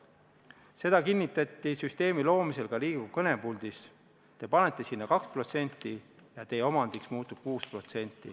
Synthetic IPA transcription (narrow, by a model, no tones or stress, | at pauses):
se̞d̪̥ɑkinʲːit̪ːˑɑt̪ːisyst̪e̞ːmilo̞ːmise̞lkɑliːɡ̥ukɤne̞puld̪̥is | t̪e̞pɑnet̪ˑːe̞sinːɑkɑkspro̞t̪se̞nʲt̪ːˑijɑt̪e̞jeo̞mɑnd̪̥iksmuːt̪ːˑub̥̚kuːspro̞t̪se̞nʲt̪ːˑḭ